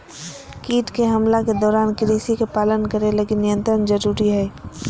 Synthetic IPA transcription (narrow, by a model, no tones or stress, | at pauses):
kiːʈkeɦɐmlaked̪ɔːɾaːnkɪɾiːsikepaːlənkəɾeləɡɪnːɪjə̃nt̪ɾənd͡ʒɐɾuːɾiɦɛː